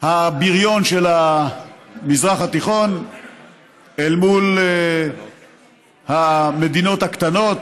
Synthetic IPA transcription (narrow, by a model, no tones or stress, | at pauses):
habiʁjo̞nʃela | mizʁaχat̪iχo̞n | elmul | hame̞d̪ino̞t̪hakt̪ano̞t̪